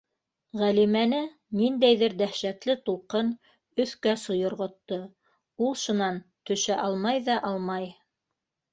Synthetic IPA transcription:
ʁælimænɘ | nind̪æjðɘɾd̪æhʃæklɘt̪ulˠqɤn | ɵ̆θkæsŏjŏɾʁŏt̪ːɤ | ulˠʃunɑnt̪ɵ̆ʃæʔɑlˠmɑjðɑʔɑlˠmɑj

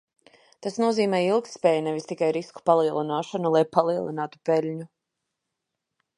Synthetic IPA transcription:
t̪asnuɔziːmɛːilˠk̚t̪spɛːjnɛvist̪ikajɾisku̥palˠiɛlˠinaːʃanulˠajpalˠiɛlˠḭnaːt̪u̥pɛlʲɲu

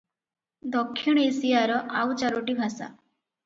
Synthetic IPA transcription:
d̪ɔkʰːiɽ̃ɔesijaɾɔʔawt͡ʃaɾoʈibʱasa̰

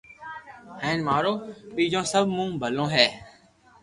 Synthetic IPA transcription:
hɛ̃ːnmaːɾoːpiːd͡ʒõːsəbʱmũːbʱəlõːɦɛː

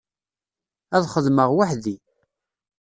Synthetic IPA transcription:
æðχəðməʁwaħði

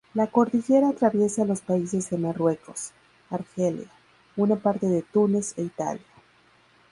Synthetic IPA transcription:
lako̞ɾt̪iʝe̞ɾaːt̪ɾaβje̞saːlo̞spais̬e̞zðe̞marwe̞ko̞s | aɾxelja | unapaɾt̪e̞ðe̞t̪une̞se̞it̪a̰lja

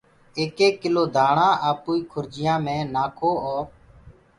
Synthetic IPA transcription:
eːkeːkːɪloːd̪ʱaːɳãːʔaːpuːiːkʰʊɾd͡ʒɪjãːmẽːnaːkʰoːoːɾ

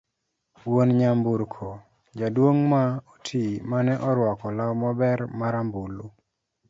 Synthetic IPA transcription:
wonɲambuɾkʰo | d͡ʒadwoŋmaotʰimanɛʔɔɾwɔkɔlawmɔbɛɾmaɾambulu

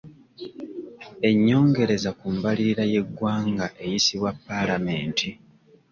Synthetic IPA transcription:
e̞ɲːo̞ːŋɡe̞ɾe̞zakuːmbaliiɾaje̞ɡwaːŋɡaʔe̞jisiβwapːalame̞ːntʰi

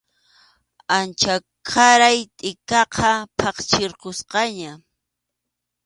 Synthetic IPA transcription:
ant͡ʃa | kʰaɾajt̪ʼɪkɑqʰɑpʰɑqt͡ʃeɾqosqɑɲa

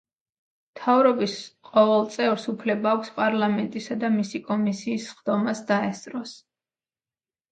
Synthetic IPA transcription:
mt̪ʰavɾɔbisqʼɔvɛlˠt̪sʼɛvɾsupʰlɛbaːkʷʰspʼaɾlˠamɛnt̪ʼisad̪amisikʼɔmisiːsχd̪ɔmasd̪aɛst̪ʼɾɔs

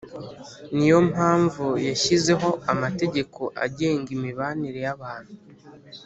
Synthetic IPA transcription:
nijo̞mhaːɱvujaʃize̞ɦo̞amate̞ɟe̞kʰo̞ʔa̰ɟe̞ːŋɡimiβaniɾe̞jaβaːn̥hu

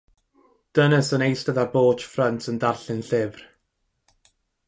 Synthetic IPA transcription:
d̥ənəsənejstəðaboːt͡ʃfrəntʰəndarɬɪnɬɪvr

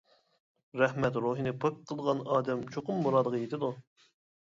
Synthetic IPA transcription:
ɾɛhmɛt̪ɾoːɦɨnɪpʰɨp̚qʰːəlˠʁɑnɑːd̪ɛmt͡ʃʰoqʊmːuɾɑːd̪əʁʰɑjet̪ɪd̪u

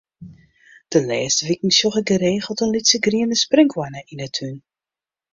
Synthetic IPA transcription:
d̥əlɛːstəʋikŋ̩sjɔxəɡəɾeːχəlˠtənlitsəɡriəndəsprɪŋkʰwanəʔinətʰyn

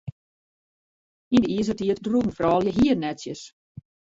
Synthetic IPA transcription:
indəiəs̬ətiətdrun̩frɔːlˠjəɦiərnɛtsjəs

